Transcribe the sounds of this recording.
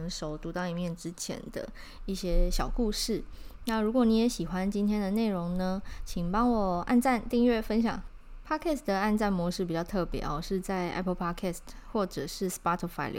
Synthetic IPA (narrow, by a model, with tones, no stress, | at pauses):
ŋʂo˨˩ʊt̪u˧˥t̪ɑ˥˩ʊi˨˩mjɛ˥˩nʈ͡ʂɻ̩˦t͡ɕʰjɛ̰˧˦nd̪ə̰˧ | i˥˩ɕjɛ˥ɕjɑ˨˩ʊku˥˧ʂɻ̩˥˩na˥˩ɻu˧˥kwɔ˨˦ni˧˥jɛ˧˦˥ɕi˨˩xwa˦nt͡ɕi˥nt̪ʰjɛ˥nd̪ə˨ne˥˩ɪɻo˧˦ŋnə˧t͡ɕʰi˨˩ŋpɑ˥ŋwɔ˨˩a̰˥˧nʈ͡ʂa˥˧nt̪i˥˧ŋɥɛ˥˩fə˦nɕjɑ̰˨˩ŋ | pʰa˥kʰɛ˥˩sd̪ə˩a˥˧nʈ͡ʂa˥˩nmwɔ˧˥ʂɻ̩˥˩p̬i˨˩t͡ɕjɑ˥˧t̪ʰɤ˥˩pjɛ̰˧˦ɔ˨ʂɻ̩˥˧t͡sa˥˩ɪʔɛ̰˥pʰə˧lpʰa˦˥kʰɛ˥˩stxwɔ˥˩ʈ͡ʂɤ˨˩ʂɻ̩˥˩spa˥t̪ʰə˧˩fa˥˩ɪlj̰